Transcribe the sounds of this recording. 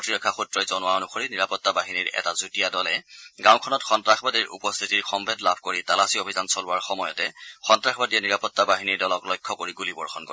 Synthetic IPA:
ɔtɹiɹɔkʰːaxutɹɔjzɔnʊwaonuxoɹiniɹapɔtːabaɦiniɹɛ̰tazutijadɔlɛɡãʊkʰɔnɔtxɔntɹaxbadiɹṵpɔst̪ʰitiɹxɔmbʱedlabʱkoɹitalasiobʱizansɔlʊwaɹxɔmɔjɔtɛxɔntɹaxbadijɛniɹapɔtːabaɦiniɹdɔlɔklɔjkʰːɔkoɹiɡulibɔɹxɔnkɔ

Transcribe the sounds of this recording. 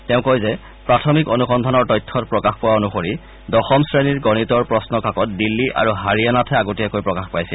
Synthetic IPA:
tɛʊ̃kojzɛ | pɹatʰɔmikonuxɔndʱanɔɹtɔjtʰːɔtpɹɔkaxpɔwaonuxoɹi | dɔxɔmsɹeniɹɡɔnitɔɹpɹɔsnɔkakɔt̚dilːiʔa̰ɹuɦaɹianatʰɛaɡutiakojpɹɔkaxpajsɛl

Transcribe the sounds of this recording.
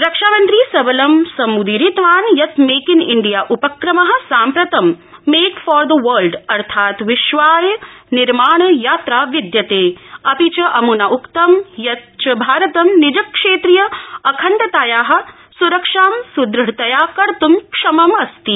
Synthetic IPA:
ɾɐkʂaːmɐnt̪ɾiːsɐbɐlɐmsɐmud̪iɾit̪ʋaːnjɐt̪meːkinɪɳɖijaːʔupɐkɾɐmɐɦɐ̆saːmpɾɐt̪ɐmːeːkfɔːɾd̪ɐʋɐlɖɐɾt̪ʰaːt̪ʋiʃʋaːjniɾmaːɳɐjaːt̪ɾaːʋid̪jɐt̪eːɐpit͡ʃɐʔɐmunaʔukt̪ɐmjɐt̪t͡ʃɐbʱaːɾɐt̪ɐmnid͡ʒɐkʂeːt̪ɾijɐɐkʰɐɳʈɐt̪aːjaːɦɐ̆ | suɾɐkʂaːmsud̪ɾɐɽt̪ɐjaːkɐɾt̪umkʂɐmɐmɐst̪i

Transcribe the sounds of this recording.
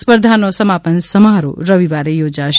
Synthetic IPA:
spəɾd̪ʱanosəmapənsəmaɾo̰ɾəʋiʋaɾejod͡ʒaʃ

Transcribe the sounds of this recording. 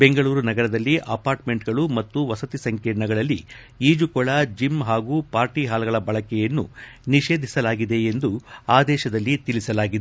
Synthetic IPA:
be̞ŋɡɐɭuːɾunɐɡɐɾɐd̪ɐlːiʔɐpaːɾʈme̞ɳʈɡɐɭumɐt̪ːuʋɐsɐt̪isɐŋkeːnɐɡɐɭɐlːḭ | iːd͡ʒukɔɭad͡ʒimɦaːɡupaːɾʈiɦaːlɐɡɐɭɐbɐɭɐkɛjɐnːṵniʃe̞ːd̪ʱisɐlaːɡid̪e̞end̪uaːd̪ɛːʃɐd̪ɐlːit̪ilisɐlaːɡid̪e

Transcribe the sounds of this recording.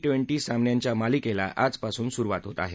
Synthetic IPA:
ʈʋeɳʈiːsãmnjaɲt͡ɕjamalikela̰ʔad͡zpasuːnsuɾʋat̪ɦot̪aːɦe

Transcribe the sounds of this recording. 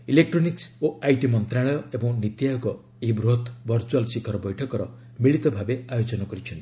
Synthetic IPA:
ilek̚ʈɾoniksoajʈimɔnt̪ɾaɭɔjɔebɔŋnit̪jaɔkɔ | ibɾot̪ʰbʱʌɾt͡ʃualsikʰɔɾɔbɔjʈʰɔkɔɾɔ | miɭit̪ɔbʱabeajod͡ʒɔnɔkɔɾit͡ʃʰɔnt̪i̥

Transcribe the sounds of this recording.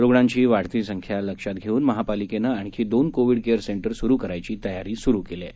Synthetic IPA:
ɾoɡɳãɲt͡ɕiːʋaɽ̤t̪iːsəŋkʰjaləkʂat̪ɡʱeuːnməɦapalikenəaɽ̃ikʰiːd̪onkoʋiɽkeəɾseɳʈəɾsuɾuːkəɾajt͡ɕiːt̪əjaɾiːsuɾukele

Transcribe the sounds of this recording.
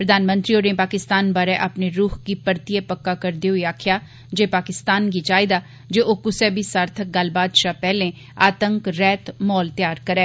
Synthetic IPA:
pɾəd̪aːnmə̃nt̪ɾioːɾẽpaːkɪst̪aːnbaːɾɛʔapneɾuːhkipəɾt̪iɛpəkːaːkəɾd̪eːɦʊiaːkʰɪjaː | d͡ʒeːpaːkɪst̪aːnɡit͡ʃaːɪd̪aː | d͡ʒeːʔoːkʊsɛːbʱiːsaːɾt̪ʰək̚ɡəl̤baːd̪ʃaːpɛːlẽː | aːt̪əŋkɾɛːt̪mɔːlt̪ɪjaːɾkəɾɛː

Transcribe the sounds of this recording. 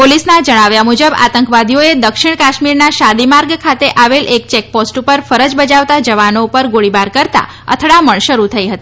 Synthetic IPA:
polisnad͡ʒəɽ̃aʋjamud͡ʒəba̰t̪əŋkʋad̪ʱijoed̪əkʃiɳkaʃmiɾnaʃad̪imaɾɡkʰat̪eʔaʋelʔek̚t͡ʃek̚posʈupəɾfəɾəd͡ʒbəd͡ʒaʋt̪ad͡ʒəʋanoupəɾɡoɭibaɾkəɾt̪a̰ | ə̰t̪ʰɽaməɳʃəɾut̪ʰəiɦət̪i

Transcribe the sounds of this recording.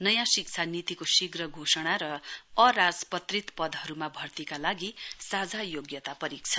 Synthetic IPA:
nʌjãsikt͡sʰanit̪ikosiɡrʌɡʱosʌɽ̃aɾʌʌrad͡zpʌt̪rit̪pʌd̪ɦʌɾumabʱʌrt̪ikalaɡisad͡zʱajoɡjʌt̪apʌɾik̚t͡sʰʌ̥

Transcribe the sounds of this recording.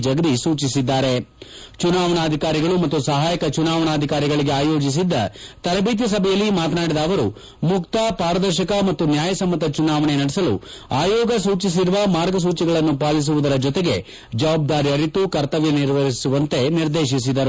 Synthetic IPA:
d͡ʒɐɡd̪isuːt͡ʃisid̪ːaːɾe̞t͡ʃunaːʋɐɳaːd̪ʱikaːɾiɡɐɭumɐt̪ːusɐɦaːjɐkɐt͡ʃunaːʋɐɳɐːd̪ʱikaːɾiɡɐɭiɡeaːjoːd͡ʒis̬id̪ːɐt̪ɐɾɐbiːt̪̬jɐs̬ɐbʱɛjɐlːimaːt̪ɐnaːɽid̪ɐːʋɐɾu | mukt̪ɐpaːɾɐd̪ɐɾʃɐkɐmɐt̪ːunjaːjɐsɐmːɐt̪ɐt͡ʃunaːʋɐɳenɐɽɛsɐlṵaːjɔːɡɐsuːt͡ʃis̬iɾuʋɐmaːɾɡɐs̬uːt͡ʃiɡɐɭɐnːupaːlis̬uʋud̪ɐɾɐd͡ʒɔt̪e̞ɡe̞ | d͡ʒɐʋaːb̚d̪aːɾiɐɾit̪ːukɐɾt̪ɐʋjɐniɾʋɐɾisuʋɐnt̪e̞niɾd̪eːʃis̬id̪ɐɾu

